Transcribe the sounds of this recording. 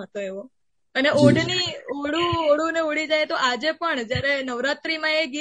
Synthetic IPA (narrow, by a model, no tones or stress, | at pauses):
ət̪oeʋo | əneʔoɖnioɽuoɽuneoɽid͡ʒajt̪oʔad͡ʒepəɳd͡ʒjaɾenəʋɾat̪ɾimãeɡi